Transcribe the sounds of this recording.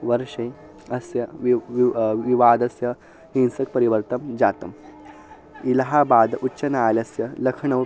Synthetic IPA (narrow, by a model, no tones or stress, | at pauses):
ʋɐɾʂɐj | ɐsjɐʋʋʋiʋaːd̪ɐsjɐ | hĩnsɐk̚pɐɾiʋəɾt̪ɐmd͡ʑaːt̪ɐm | ilɦabaːd̪ʔutːɕɐnaːlʲɐsjɐlɐkʰɳɐw